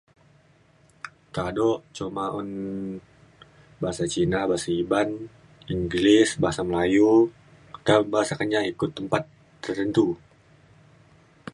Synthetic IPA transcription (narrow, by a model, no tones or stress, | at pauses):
t̪adɔʔt͡ʃomaɔn | baɦasat͡ʃinabaɦasaiban | iŋɡlɪsbaɦasaməlaju | kabaɦasakəɲaikʊt̪ːəmpat̪ː | ərt̪ənt̪u